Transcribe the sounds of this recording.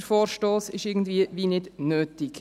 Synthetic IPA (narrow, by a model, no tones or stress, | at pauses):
əɾfoːɾʃtoːsɪʃɪɾɡn̩dviəʋiːnɪdnøːtɪk